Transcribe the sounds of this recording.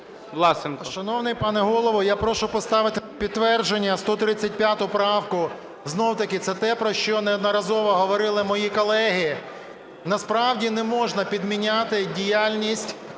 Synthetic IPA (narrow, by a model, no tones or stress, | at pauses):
ʋlˠɑsenkʃɐnɔwnɪjpɑnɛɦɔlˠɔʋɔjapɾɔʃʊpɔst̪ɑʋɪt̪ɪpʲid̪t̪ːʋɛrd͡ʒenʲːɐst̪ɔt̪ɾɪt͡sʲːɐt̚ʲpʲjat̪ʊpɾɑwkʊ | znɔwt̪ɐkɪt̪sɛt̪ɛpɾɔʃt͡ʃɔnɛɔd̪nɔɾɐzɔʋɔɦɔʋɔɾɪlˠɪmɔjikɔlˠɛɦɪ | nɐspɾɑwdʲinɛmɔʒnɐpʲid̪mʲinʲat̪ɪdʲijalʲnʲisʲtʲ